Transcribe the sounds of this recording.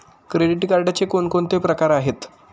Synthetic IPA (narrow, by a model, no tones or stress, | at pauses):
kɾeɖiʈɡaɾɖat͡sekoɳkoɳt̪epɾəkaɾaɦet̪